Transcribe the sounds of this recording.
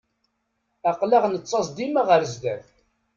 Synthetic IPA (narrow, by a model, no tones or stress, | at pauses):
æqləʁnət͡sˤːɑsˤd̪imaʁəɾzd̪æθ